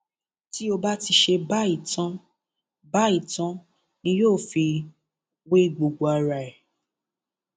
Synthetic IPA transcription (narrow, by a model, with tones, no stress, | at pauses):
ti˦o˧ba˦ti˧ʃe˧ba˦i˦˨tã˦ | ba˦i˦˨tã˦ | nĩ˧joː˦˨fi˧ | we˦˨ɡ͡bo˨ɡ͡bo˨a˧ɾa˨ɛ˨